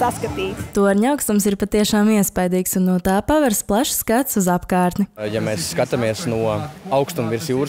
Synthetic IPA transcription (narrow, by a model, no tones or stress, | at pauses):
saskɐt̪iːst̪uaɾɲawkst̪umsiɾpat̪iɛʃaːmiɛspajd̪iːksunːuɔt̪aːpavɛɾst̪plˠaʃskat̪suzapkaːɾt̪nijamɛːsːkat̪amiɛsnuɔawkst̪umviɾsjuːɾ